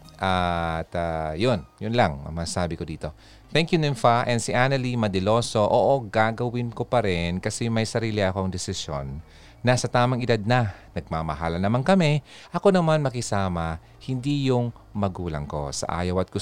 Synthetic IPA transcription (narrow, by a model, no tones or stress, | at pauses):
ʔat̪ajonjʊnlɐŋ̰mɐsaːbɪkod̪iːt̪o̞ | t̪ɛŋkjunɛmfaʔɛnd̪siʔaːnɐlimɐd̪ɛlo̞ːso̞ʔo̰ːʔoɡaːɡɐwɪnko̞pɐɾɛnkɐsɛmɐjsɐɾiːlɪʔɐko̞ɐŋd̪ɛsɪsjo̰nː | ɐsɐt̪aːmɐŋɪd̪ad̪̚nɐnɐɡ̚mamɐɦaːlɐnɐmaŋkɐmɛ | ʔɐkonɐmanmɐkɪsaːmɐ | hɪnd̪ijʊŋ | mɐɡuːlɐ̰ŋko̞̰sɐ̰ʔa̰ːjɐwɐt̪̚ɡʊ